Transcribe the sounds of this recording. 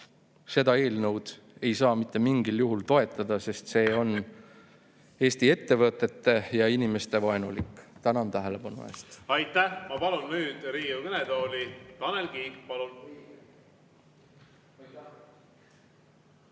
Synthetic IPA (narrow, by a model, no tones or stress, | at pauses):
se̞d̪ɑe̞ːlnɤwd̪̥ | e̞jsɑːmit̪ˑːe̞miŋɡiljuɦult̪o̞e̞t̪ːˑɑd̪̥ɑse̞st̪se̞ːo̞n | e̞ːst̪ie̞t̪ːe̞vɤt̪ːˑe̞t̪ːe̞jɑinime̞st̪e̞vɑenṵlikːˑt̪ænɑnt̪æɦele̞b̥ɑnṵe̞̰ːst̪ɑjt̪ːˑæhmɑpɑlunnyːd̪̥ɾiːukɯned̪oːlit̪ɑnelɡipɑlun